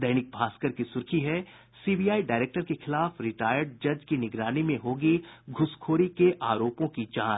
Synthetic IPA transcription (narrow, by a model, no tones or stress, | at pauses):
d̪ɐɪnɪk̚bʱaːskəɾkisʊɾkʰiɦɛ | siːbiːjaːiɖaːɾeːk̚ʈəɾkexɪlaːfɾɪʈaːjəɾɖ̚d͡ʒɐd͡ʒkinɪɡɾaːnimẽɦoːɡiɡʱʊskʰoːɾikeʔaːɾoːpõkid͡ʒãːt͡ʃ